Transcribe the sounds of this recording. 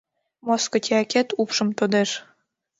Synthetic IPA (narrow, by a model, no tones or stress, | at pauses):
moskŏt̪ʲʰiɑkʲet̪upʃɤ̆mt̪od̪eʃ